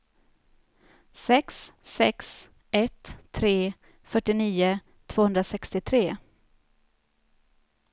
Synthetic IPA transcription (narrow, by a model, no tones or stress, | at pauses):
sɛkssɛks | ɛt̪ʰːɾeː | fœʈːɪniːʊ | t̪ʰvoːhɵnd̪ɾasɛkst̪ɪt̪ʰɾeː